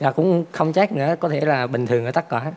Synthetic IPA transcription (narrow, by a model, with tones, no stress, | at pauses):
vaː˨˩kʊ̰˧˥ŋ͡mxə˧wŋ͡mt͡ɕaː˦˥k̚nɨ̰˧˥əkɔ˨˦t̪ʰe˧˩laː˨˩ɓï˨˩ŋ̟t̪ʰɨ˨˩əŋʔəː˧˦t̪a˦˥k̚kwaː˧˦